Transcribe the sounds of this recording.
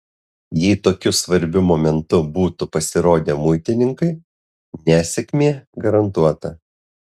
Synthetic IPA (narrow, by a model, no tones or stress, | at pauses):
jɛɪt̪oːkʲʊsʋɐɾʲbʲʊmoːmʲɛnt̪ʊbuːt̪ʊpɐsʲɪɾoːd̪ʲeːmʊɪt̪ʲɪnʲɪŋkɐɪ | nʲæːsʲɛkʲmʲeːɡɐɾɐnt̪uɔt̪ɐ